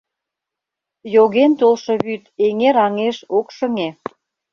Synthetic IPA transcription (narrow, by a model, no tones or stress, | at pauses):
joɣent̪olʃɤ̆βyt̪eŋeɾɑŋeʃokʃə̆ŋe